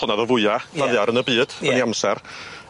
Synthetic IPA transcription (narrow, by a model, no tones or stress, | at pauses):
ʊnaðɔvʊɨḁaðjaɾənəbɨːd̥vəniamsɛr